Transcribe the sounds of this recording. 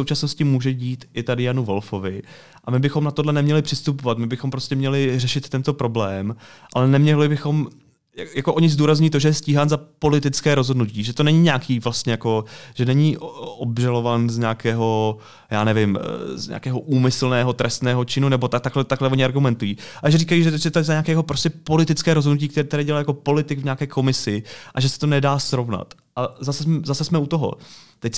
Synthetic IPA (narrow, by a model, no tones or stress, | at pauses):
sowt͡ʃasnoscɪmuːʒɛɟiːt̪ʔɪt̪adɪjanuvo̞lfo̞vɪ | ʔamɪbɪxo̞mnat̪odlɛnɛmɲɛlɪpr̝̥ɪst̪upovat̪mɪbɪxompɾoscɛmɲɛlɪrɛʃɪt̪t̪ːɛnt̪o̞pɾo̞blɛːmʔa̰lɛnɛmɲɛlɪbɪxo̞m | jjakoʔo̞ɲɪzduːɾazɲujit̪o̞ʒɛjɛsciːɦaːnzapo̞lɪt̪ɪt͡skɛːɾo̞zɦodnuciːʒɛt̪o̞nɛɲiɲaːkiːvlast̪ɲɛjako̞ʒ̥ɛnɛɲiːʔobʒalo̞vaːnzɲaːkɛːɦo̞ | jaːnɛvɪmzɲa̰ːkɛːɦoʔuːmɪsl̩nɛːɦo̞t̪ɾʔɛst̪nɛːɦo̞t͡ʃɪnunɛbo̞t̪ak̚t̪aklɛt̪aklɛoɲɪaɾɡumɛnt̪ujiːaʒɛɾiːkajiːʒɛʒɛt̪oɛzaɲaːkɛːjɛɦopɾostcɛpo̞lɪt̪ɪt͡skɛːɾozɦodnuc̬iːkt̪ɛt̪ɛɾɛːɟɛlajako̞po̞lɪt̪ɪɡvɲaːkɛːko̞mɪsɪʔaʒɛsɛ̥t̪onɛdaːsɾo̞vna̰t̪ | ʔazasɛɛzasɛsmɛut̪oɦo̰t̪ɛc